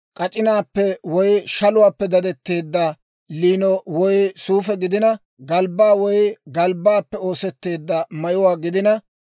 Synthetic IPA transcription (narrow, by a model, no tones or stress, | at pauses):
kʼɐt͡ʃʼɪnaːpːɛwɔjʃɐlʊwaːpːɛd̪ɐd̪ɛt̪ːe̞ːd̪ːɐ | liːnɔwɔjsuːfɛɡɪd̪ɪnɐ | ɡɐlbːaːwɔjɡɐlbaːpːɛo̞ːsɛt̪ːe̞ːd̪ːɐmɐjʊwaːɡɪd̪ɪnɐ